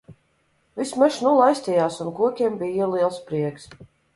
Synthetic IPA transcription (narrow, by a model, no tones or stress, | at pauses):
vismɛʃnulˠajsʲt̪ʲijaːsunkuɔkʲiɛmbiːiliɛlˠspɾiɛks